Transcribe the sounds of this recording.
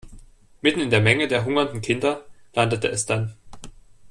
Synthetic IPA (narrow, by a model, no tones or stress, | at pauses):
mɪtn̩ɪndeːɐmɛŋədeːɐɦʊŋɐndn̩kʰɪndɐlandətəʔɛsd̥an